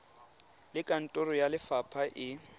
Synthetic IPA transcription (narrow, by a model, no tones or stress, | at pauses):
lɪkʼan̩tʼʊrɔjalɪfapʰaʔɪ